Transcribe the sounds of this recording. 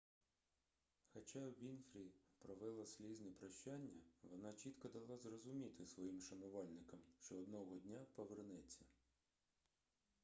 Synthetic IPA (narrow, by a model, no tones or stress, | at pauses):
xɐt͡ʃɑwʋʲinfɾʲipɾɔʋɪlˠɐslʲiznɛpɾɐʃt͡ʃanʲːɐʋɔnɑt͡ʃʲit̪kɔd̪ɐlˠɑzrɔzʊmʲit̪ɪsʋɔjimʃɐnʊʋɑlʲnɪkɐmʃt͡ʃɔːd̪nɔɦɔdʲnʲapɔʋernɛt͡sʲːɐ